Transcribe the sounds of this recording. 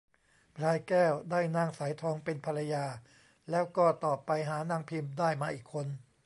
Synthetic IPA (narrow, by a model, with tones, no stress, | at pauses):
pʰɾaː˧jkɛː˥˩wdaː˥˩jnaː˥˩ŋsa˩˦jt̪ʰɔː˧ŋpe˧npʰa˧ɾa˧jaː˧ | lɛː˦˥wkɔː˥˩t̪ɔː˨˩pːa˧jɦaː˩˦naː˧˩ŋpʰi˧mdaː˥˩jmaː˧ʔiː˨˩kʰːo˧n